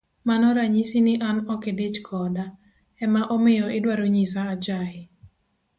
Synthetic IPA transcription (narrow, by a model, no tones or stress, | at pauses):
manɔɾaɲisinɪʔanɔkedɪt͡ʃkʰɔda | ɛmaʔɔmɪjɔʔɪdwaɾoɲisaːd͡ʒaɦɪ